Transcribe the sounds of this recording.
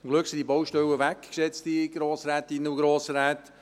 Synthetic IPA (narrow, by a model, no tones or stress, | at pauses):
ɡlʉksidibowʃtɛwəʋækksɛt͡stiɡ̥ɾoːsɾɛːt̪inuɡɾoːsɾɛːt̪